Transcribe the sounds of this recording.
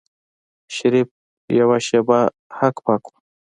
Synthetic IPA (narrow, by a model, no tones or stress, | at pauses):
ʃaɾip̚ | jawaʃeba | hakpakʰu̥